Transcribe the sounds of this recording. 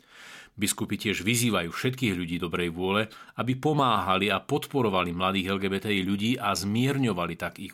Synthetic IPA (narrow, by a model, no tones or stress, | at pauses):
biskupicɪɛʒʋiziːʋajuːfʃɛt̪kiːɣʎuɟiːd̪ɔbɾɛjʋʊɔlɛabipɔmaːɦaliapɔt̪pɔɾɔʋalimlad̪iːɣɛlɡɛːbɛt̪ɛiʎuɟiːʔazmɪɛɾɲɔʋalit̪aɡi